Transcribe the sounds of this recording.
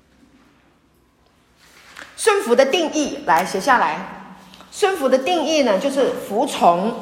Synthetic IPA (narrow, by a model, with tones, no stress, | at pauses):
ʂwə˥˩nfu˨˧˥d̪ə˧t̪i˥˧ŋi˥˩la˧˥ɪɕjɛ˧˥ɕja˥˩la˧˦ɪ | ʂwə˥˩nfu˨˧˥d̪ə˧t̪i˥˧ŋi˥˩nə˩t͡ɕjo˥˧ʊʂɻ̩˥˩fu˧˥t͡sʰʊ˧˥ŋ